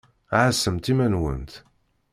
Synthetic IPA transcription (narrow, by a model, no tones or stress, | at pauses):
ʕəsːəmt̪imænwə̰nt̪